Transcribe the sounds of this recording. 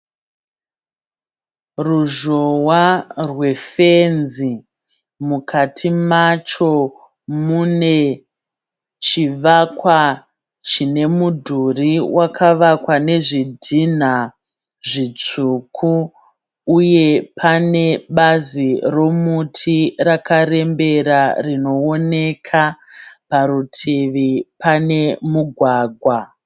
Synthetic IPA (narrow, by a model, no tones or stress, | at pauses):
ruʒowarwe̞fenzi | mukʰatʰimat͡ʃo̞ | mune̞ | t͡ʃiʋakwa | t͡ʃine̞mudʱuriwʔakʰaʋakwane̞ʐidʱin̤a | ʐit͡ʂuːkʰuː | je̞pʰane̞ɓaziro̞mutʰirakaɾe̞mbe̞ɾarino̞one̞kʰapaɾutʰiʋipane̞muɡʱwaːɡʱwa